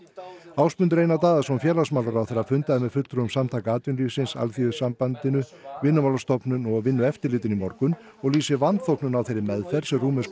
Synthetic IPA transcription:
aːwspʏnt̪ɾeːjnat̪aːðasɔmfjɛːlasmaːwlaɾawθeɾːafʏnt̪aðɪmɛðfʏt̪ɾʏɣʏmsamt̪ʰaːkaaːt̪ʏnliːfsɪnsa̰lθiʏsampant̪ɪnʏvɪnːʏmawlast̪ɔpnʏnɔvɪnːʏɛft̪ɪɾlɪːt̪ɪnimɔɾkʏn | ɔɣliːsɪvant̪θowknʏnawθejɾɪmɛðfɛɾ̥sɛmruːmɛs

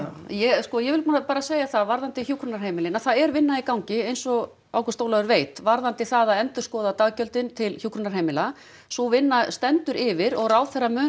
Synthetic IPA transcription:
jɛskɔjɛvɪlanapaːɾaseːjaθaðvaɾðant̪ɪçjuːkʰɾʏnaɾ̥heːjmɪlɪnaθaðɛɾvɪnːaikawɲcɪejnsɔ | awkɛ̥ɾst̪oːwlaðʏɾveːjt̪vaɾðant̪ɪθaðaðɛnt̪ʏ̥skɔːðat̪aːɣcœlt̪ɪnt̪ʰɪlçuːkʰɾʏnaɾ̥hejmɪla | sɔvɪnːast̪ɛnt̪ʏɾʔɪvɪɾɔɣraːwθɛramœː

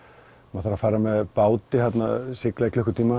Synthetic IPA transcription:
maθaɾafaːjɾamɛðpaːwt̪ɪhat̪nasɪklɛklʏhkʏ̥ɾt̪ʰiːma

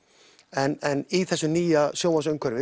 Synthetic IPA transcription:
ɛnɛniθɛsːʏniːjasjoːwasœɥŋkʰvœɾvɪ

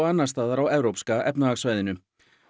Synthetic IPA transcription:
anːaɾ̥st̪aːðaɾawɛvɾowpskaʔɛpnaaɣsvajðɪnʏ

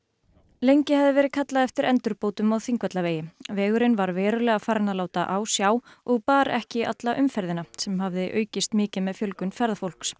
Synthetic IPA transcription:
lejɲcɪhavðɪvɛːɾɪðkʰat̪laðɛft̪ɪɾʔɛnt̪ʏɾpoːwt̪ʏmawθiŋkvɛt̪laveːjɪvɛːɣʏɾɪnvaɾvɛːɾʏlɛːɣafaːɾnalaːwt̪aʔaːwsjaːw | ɔɣpaːɾɛhcɪʔa̰t̪laʔʏmfɛɾðɪnasɛmhavðɪʔœːɥcɪst̪mɪːcɪmɛðfjœlkʏnfɛɾðafowl̥ks

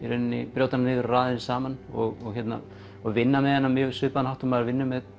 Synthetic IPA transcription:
iɾʏnnːɪpɾjowt̪ananɪːðʏɾraːðɪnsaːmanɔɣɔɣçɛt̪na̰ | ɔɣvɪnːamɛðhɛnːamjʏːsʏːpaðanhawht̪ʏmaðɾvɪnːʏmɛð

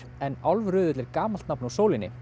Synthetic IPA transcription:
ɛnalvrʏːðʏt̪lɪɾkaːmal̥t̪napnusoːwlɪnːɪ̰

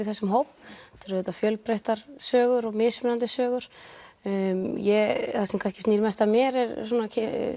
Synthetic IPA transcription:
ɪθɛsːʏmɦoːwpt̪ʰʏɾðʏːt̪afjœlpɾejht̪aɾ̥sœːɣʏɾɔɣmɪsvnant̪ɪsœːɣʏɾ̥ | jɛθasɛmkʰanscɪstniːɾmɛst̪amjɛɾɛɾsɔːnacʰ

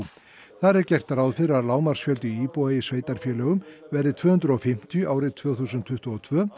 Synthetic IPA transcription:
θaɾɛɾcɛr̥t̪aɾaːwðfɪɾaðlaːwmar̥sfjœlt̪ʏiːpɔɛjɪsveːjt̪aɾ̥fjɛːlœːɣʏmvɛrðɪt̪ʰvœːhʏnd̪ɾʏɔfɪm̥t̪jʏʔaːwɾɪt̪ʰv̥œːɣθuːsʏnt̪ʰːʏht̪ɔɔt̪ʰvœː

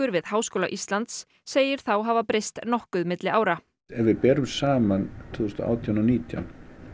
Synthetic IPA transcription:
ʏɾvɪðhaːwskowlaʔist̪lant̪sː | eːjɪɾ̥θawɦaːvapɾejst̪nɔhkʏðmɪt̪lɪaːwɾa | ɛvɪpɛːɾʏmsaːmant̪ʰʏðʏst̪ɔ̰ʔa̰wt̪ʰjawnawniːt̪ja̰n

